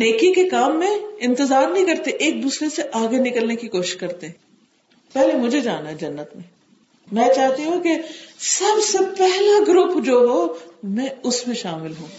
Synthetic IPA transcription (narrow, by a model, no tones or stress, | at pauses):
neːkikekaːmːẽɪ̃nt̪ɪzaːɾnɐɦĩkɐɾt̪eʔeːk̚b̪ʊsleseʔaːɡenɪkəlnekikoːʃɪ̥ʃkɐɾt̪eɦɛ̃ː | pɛɦlemʊd͡ʒʱed͡ʒaːnaɦɛd͡ʒɐnːət̪mẽ | mɛ̃ːt͡ʃaːɦt̪iɦũkesɐbsepɛɦlaɡɾʊpd͡ʒoːɦomɛ̃ːʊsmẽʃaːmɪlɦũː